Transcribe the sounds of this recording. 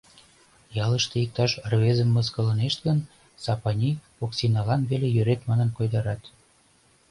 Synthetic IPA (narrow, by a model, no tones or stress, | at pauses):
jɑləʃt̪eik̚t̪ɑʃrβezəmːəskɤ̆lə̆neʃt̪ɡən | sɑpɑnʲi | oksʲinɑlɑnβelejøɾet̪mɑnənkojd̪ɑɾɑt̪